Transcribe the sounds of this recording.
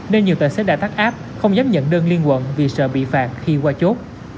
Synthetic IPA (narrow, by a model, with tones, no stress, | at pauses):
ne˧nɲi˨˩əwt̪aː˨˩seː˦˥ɗaː˧˩t̪aː˦˥k̚ʔaː˦˥p̚ | xə˧wŋ͡mzaː˨˦m̚ɲə̰˧˨nɗəː˧nli˧ənkwə̰˧˨nvi˨˩sə̰ː˧˨ɓḭ˧˨faː˨˩t̚xi˧kwaː˧t͡ɕo˦˥t̚